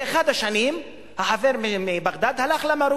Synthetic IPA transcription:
eχad̪haʃanim | haħaveɾmimibaʁd̪ad̪halaχlamaɾu

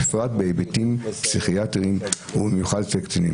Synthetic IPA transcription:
ifʁatbeebetimpsiχiatʁim | hubimjuχadsekt͡sinḭ

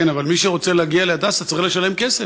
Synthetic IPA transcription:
enavalmiʃeʁo̞t͡seleːɡialead̪asat͡sileʃale̞mkese

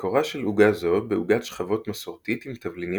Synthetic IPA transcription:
koʁaʃeluɡazo̞t̪̚beuɡat̪ʃχavo̞t̪maso̞ʁt̪it̪imt̪avlini

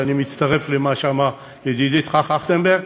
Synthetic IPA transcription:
animit͡st̪aʁeflemaʃama | jed̪id̪it̪χaχaχt̪embe

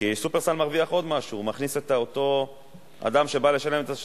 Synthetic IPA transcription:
kisupeʁstanmaʁviaχo̞d̪maʃuːmaχniset̪aot̪o̞ | a̰d̪amʃe̞bale̞ʃale̞met̪a

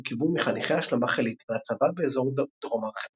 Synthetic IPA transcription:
kivumiχaniχejahaʃlamaχelit̪veat͡savabeːzo̞ʁd̪̥ʁomaχe

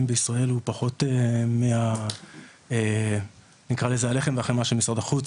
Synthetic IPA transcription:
mbeisʁae̞lupaχo̞temea | e | nikʁalezeale̞χemveaχenmaʃemisʁad̪aχut͡s

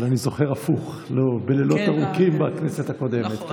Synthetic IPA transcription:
lanizo̞χe̞ʁafuχ | lobelelo̞t̪aʁukimbakneset̪ako̞d̪e̞met̪

